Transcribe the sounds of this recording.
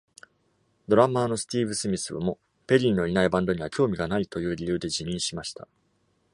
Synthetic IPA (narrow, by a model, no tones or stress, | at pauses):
d̪o̞ɾamaːno̞sɨ̥t̪ʲiːbɯ̟sɨmʲisɨβa̰mo̞ | pe̞ɾʲinːo̞inaibãnd̪o̞ɲ̟iβakʲo̞ːmʲiɡanait̪o̞jɯ̟ːɾʲijɯ̟ːd̪e̞ʑiɲ̟ĩɰ̃ɕimaɕi̥t̪a̰